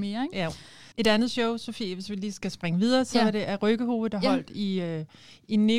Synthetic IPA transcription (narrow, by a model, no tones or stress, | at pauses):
meːɐj | e̝ɾ̥ænð̩ˠɕɔʊsofeʋe̝sʋiliːsɡ̥æsb̥ʁaŋəʋið̞ˠɐːsɒ̽æɐɾ̥e̝ʔæʁœɡ̥əho̝̰ːð̩ˠd̥ɑ̈ɦɒ̽l̰d̥iøinːe